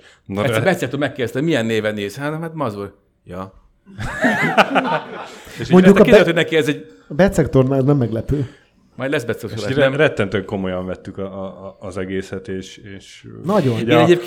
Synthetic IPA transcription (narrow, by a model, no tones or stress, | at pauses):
nɛbɛt̪sɛk̚t̪olmɛkːeːdɛst̪hmijɛnːeːvɛnːeːzhɛnhat̪mɒzor | jɒ | eʃoɲɟuk̪ːkit̪hodnɛkiɛzɛɟ | bɛt̪sɛkt̪ornaznɛmːɛɡlɛpøː | mɒjd̪lɛzbɛt̪sɛksolːɛmrɛt̪ːɛnt̪ŋko̞mojɒɱvɛt̪ːykɒːzɛɡeːsɛt̪eːʃeːʃnɒɟoeːɛɟeːpk